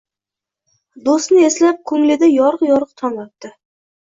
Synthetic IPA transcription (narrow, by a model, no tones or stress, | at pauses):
d̪osnɪeslap̚kʰɵŋlɪd̪ajɒɾəqjɒɾəqt̪ʰɒnɒt̪̚d̪ɪ